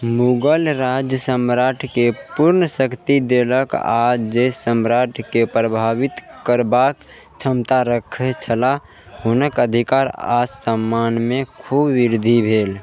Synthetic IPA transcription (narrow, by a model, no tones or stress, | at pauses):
muɡəlɾad͡ʒjəsəmɾaʈʰkepuɾnəsəkt̪id̪eləka̰d͡ʒesəmɾaʈʰkepɾəbʱaʋit̪kəɾbak | t͡ʃʰəmt̪aɾəkʰet͡ʃʰəla | ɦunəkəd̪ʱikaɾassəmːanmekʰubːiɾd̪ʱibʱeːl